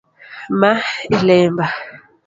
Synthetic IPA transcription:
mailɛːmba

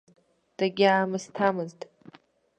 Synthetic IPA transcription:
d̥aɡʲaːmɨstʰamɨztʼ

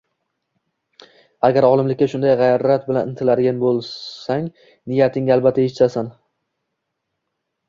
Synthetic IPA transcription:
aɡʲaɾɒlˠɪmlɪkʲːaʃʊnd̪ajʁɑjɾat̪̚bɪlanɪnt̪ʰɪlad̪ɪɡʲanbolˠaŋ | nɪjat̪ʰɪŋalˠbat̪ʰːaɪt͡ʃt̪asan

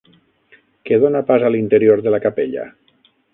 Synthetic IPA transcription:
keðonapazalint̪eɾioɾðelakapeʎa̰

